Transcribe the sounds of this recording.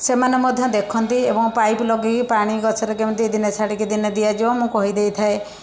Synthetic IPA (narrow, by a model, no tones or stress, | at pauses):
semanemɔd̪ʱjɔ̃d̪ekʰɔnt̪iebɔŋpajplɔɡikipaɽ̃ikɔt͡ʃʰɔɾekemnt̪id̪inet͡ʃʰaɽikid̪ined̪ijad͡ʒiwɔ̃mũkɔɦid̪ejt̪ʰae